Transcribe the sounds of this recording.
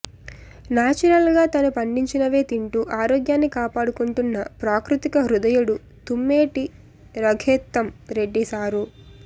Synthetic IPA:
naːt͡ʃuɾɐlɡaːt̪ɐnupɐɳɖiɲt͡ʃinɐʋe̞ːt̪iɳʈuʔaːɾoːɡjaːnːikaːpaːɽukuɳʈunːɐpɾaːkɾut̪ikɐɦɾud̪ɐjuɽu | t̪umːeːʈi | ɾɐɡʱeːt̪ːɐmɾe̞ɖːisaːɾu

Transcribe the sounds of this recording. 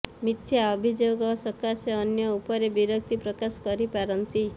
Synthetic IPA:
mit̪ʰjaɔbʱid͡ʒoɡɔsɔkaseɔnjɔupɔɾebiɾɔk̚t̪ipɾɔkasɔ̥kɔɾipaɾɔnt̪i

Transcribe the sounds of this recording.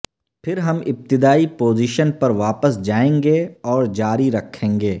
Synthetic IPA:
pʰɪɾɦɐmɪp̚t̪ɪd̪aːipoːziːʃənpɐɾʋaːpəsd͡ʒaːẽːŋɡeɔːɾd͡ʒaːɾiɾɐkʰːẽːŋɡeː

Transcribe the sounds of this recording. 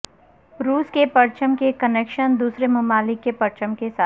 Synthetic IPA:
ɾuːskepɐɾt͡ʃəmkekəneːkʃənd̪uːsɾemʊmaːlɪkːepɐɾt͡ʃəmkesaː

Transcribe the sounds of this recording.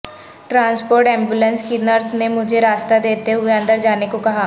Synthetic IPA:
ʈɾãːnspoːɾʈɛ̃ːmbuːlə̃nskinəɾsnemʊd͡ʒʱeɾaːst̪ad̪eːt̪eɦʊeə̃nd̪əɾd͡ʒaːnekokɐɦaː

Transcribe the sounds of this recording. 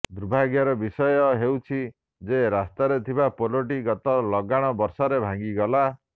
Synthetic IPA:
d̪ɾubʱaɡjaɾɔbisɔjɔɦewt͡ʃʰi | d͡ʒeɾast̪aɾet̪ʰibapoloʈ̬iɡɔt̪ɔlɔɡaɽ̃ɔbɔɾsɔɾebʱãŋɡiɡɔla

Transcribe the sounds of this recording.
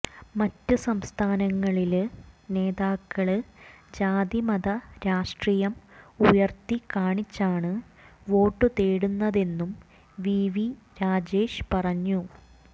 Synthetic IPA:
mɐtːɨsɐmst̪ʰaːnɐŋːɐɭilne̞ːðaːkːɐɭɨd͡ʑaːd̪imɐd̪ɐɾaːʂʈriːjɐmujɐrt̪ikaːɳit͡ɕːaːɳɨ | ʋo̞ːʈːɨt̪eːɽunːɐðe̞nːum | ʋiːʋi | ɾaːd͡ʑe̞ːʂpɐrɐɲːu

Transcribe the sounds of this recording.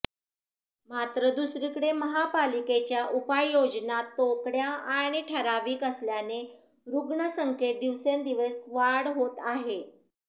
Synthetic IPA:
mat̪ɾəd̪usɾikɽeməɦapaliket͡ɕjaʔupajːod͡ʑnat̪ːokɽjaaɽ̃iʈʰəɾaʋiːkəsljane | ɾuɡɳəsəŋket̪̚d̪iʋsend̪iʋəsʋaɽɦot̪aɦe

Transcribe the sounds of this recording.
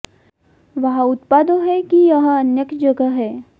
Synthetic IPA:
ʋəɦaut̪pad̪oɦɛkijəɦə̃ənjəkd͡ʒəɡəɦɛ

